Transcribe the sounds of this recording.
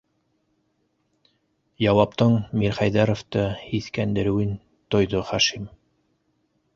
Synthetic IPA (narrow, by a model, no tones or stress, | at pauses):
jɑwɑpt̪ɤɴmiɾχæjðɑɾŏft̪ɤiθkænd̪ɘ̆ɾɘ̆wɘn | t̪ŏjðoχɑʃim